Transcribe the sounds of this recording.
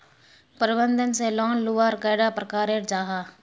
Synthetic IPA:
pəɾɪbənd̪ənseːlɔːnluːʋaːɾkaːɽaːpɾəkaːɾeːɾd͡ʒaːɦaː

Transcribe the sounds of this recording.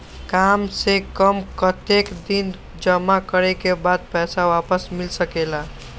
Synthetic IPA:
kamsekəmkət̪ekd̪in | d͡ʒəmakəɾekebad̪̚pɛsawapəsmilsəkela

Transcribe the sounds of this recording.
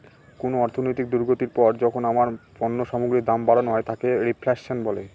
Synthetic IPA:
konoɔɾt̪ʰonojt̪ik̚d̪uɾɡot̪iɾpɔɾd͡ʑɔkʰonamaɾpɔnːoʃɔmoɡɾid̪ambaɾonɦɔet̪ʰakeɾipʰlekʃonbɔle

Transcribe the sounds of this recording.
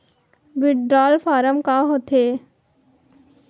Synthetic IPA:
bɪɖɖɾaːlfʰaːɾəmkaɦoːt̪eː

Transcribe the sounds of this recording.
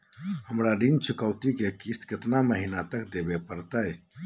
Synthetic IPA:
həmɾaɖint͡ʃʰukəwt̪ikekist̪kɪt̪naməɦinat̪əkd̪ebepəɾt̪əj

